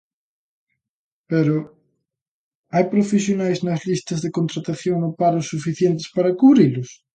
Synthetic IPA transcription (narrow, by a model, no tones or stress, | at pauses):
peɾʊ | ajpɾofesjonajznɐzlist̪ɐzðekont̪ɾat̪aθjoŋopaɾʊsːufiθjent̪ɪ̥spaɾɐkuβɾilʊs